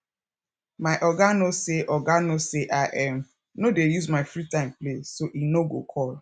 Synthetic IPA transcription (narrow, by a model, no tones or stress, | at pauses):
maɪʔɔɡanoseʔɔɡanoseʔaʔɛm̩ | nodejuzmaɪfɾitaɪ̃mplesoʔinoɡo̰kʰɔl